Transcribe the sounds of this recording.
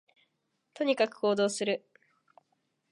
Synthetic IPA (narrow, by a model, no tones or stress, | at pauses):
t̪o̞ɲ̟ikakɯ̟̥ko̞ːd̪o̞ːsɨɾɯ̟